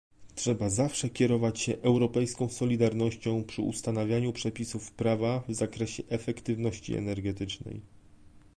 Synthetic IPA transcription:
tʂɛbazafʂɛkʲɛɾɔvat͡ɕɕɛʔɛwɾɔpɛjskɔ̃w̃sɔlʲid̪aɾnɔɕt͡ɕɔ̃w̃pʂɘ̰ṵst̪anavʲjaɲupʂɛpʲisufpɾavavzakɾɛɕɛʔɛfɛkt̪ɘvn̪ɔɕt͡ɕḭɛ̰nɛɾɡɛt̪ɘt͡ʂnɛ̰j

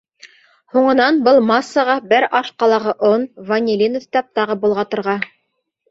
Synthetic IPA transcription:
huɴɤ̆nɑnbɤlˠmɑsːɑʁɑbɘɾɑʃqɑlˠɑʁɤʔonvɐnʲilʲinoft̪ɑp̚t̪ɑʁɤbŭlˠʁɑt̪ɤ̆ɾʁɑ

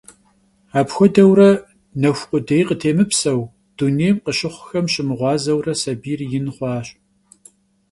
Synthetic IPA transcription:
aːpxʷɔdɐwrɐ | nɐxʷqʷʼʊdejqətʰeːmɨpsɐw | d̥uneːjmqəɕɪχʷxɐmɕɪmɨʁʷɑːzɐwrɐsɐbiːrjɪnχʷɑːɕʼ

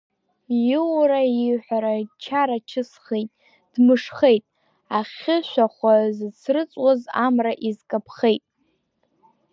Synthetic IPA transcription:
jɪwɾaiħʷᶣaɾat͡ʃʰaɾat͡ʃʰɨsχejtʼ | d̥mɨʂχe̞jtʼ | aχʲɪʃʷaχʷazɨt͡sʰrɨt͡sʼwazamraʔizkʼapʰχejtʼ

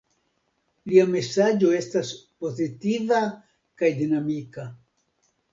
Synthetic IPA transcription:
liame̞sad͡ʒo̞e̞staspo̞zitiva | kajdinamika

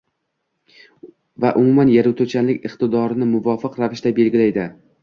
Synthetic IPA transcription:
vaʔʊmumanjaɾuwt̪ʰot͡ʃʰanlɪkʲɨqt̪ɪd̪ɒɾɪnɪmʊvɒfɨqɾavɪʃd̪abe̞lɡʲɪlajd̪ɪ

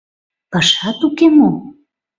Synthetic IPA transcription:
pɑʃɑt̪ukemo

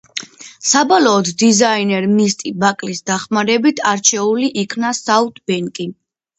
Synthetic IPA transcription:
sabɔlɔːd̪ʰd̪izainɛɾmist̪ʼibakʼlisd̪aχmaɾɛbit̪ʰaɾt͡ʃʰɛuliʔikʰnasaut̪ʼbɛŋkʼi

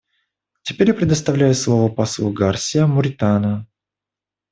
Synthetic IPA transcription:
tʲɪpʲeɾʲjapɾʲɪd̪əst̪ɐvlʲæjʊslˠovəpaslˠuɡarsʲɪjəmʊɾʲɪt̪anə

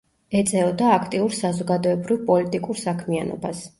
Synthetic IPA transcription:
ɛt̪sʼɛlɔd̪aːkʰt̪ʼiuɾsazɔɡad̪ɔɛbɾivpʼɔlit̪ʼikʼuɾsakʰmianɔ̰bas

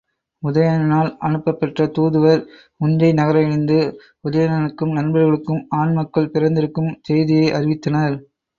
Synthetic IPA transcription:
ʊðɐjanɐnaːlʔɐnɯpːɐpːɐʈrɐt̪uːðɯʋɐɾ | ʊnrɐɪnɐɣɐɾɐjɪɻɯnd̪ɯ | ʊðɐjanɐnɯkːɯmnɐnbɐɾɣɐɭɯkːɯmaːnmɐkːɐɭpɪɾɐnd̪ɪɾɯkːɯmt̪ɛjðɪjɐɪʔɐrɪʋɪt̪ːɐnɐɾ

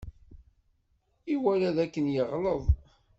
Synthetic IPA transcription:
iwælæðækːənjəʁləðˤ

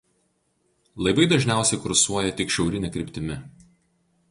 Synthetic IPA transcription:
lˠɐɪbɐɪd̪ɐʒʲnʲæˑʊsʲɛɪkʊɾsuɔjɛt̪ʲɪkʃʲɛʊɾʲɪnʲɛkʲɾʲɪpʲt̪ʲɪmʲɪ

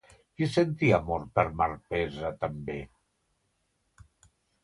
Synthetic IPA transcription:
kisent̪iamɔɾpəɾmaɾpɛzat̪ambe

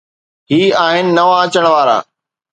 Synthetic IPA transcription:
ɦiːaːɦɪnɪ̆nɐʋaɐt͡ɕəɽ̃ʋaːɾa̰ː

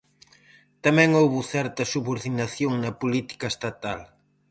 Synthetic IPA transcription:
t̪ɐmɛ̃ŋowβʊθɛɾt̪ɐsuβoɾðinɐθjoŋnɐpulit̪i̥kɐest̪at̪al

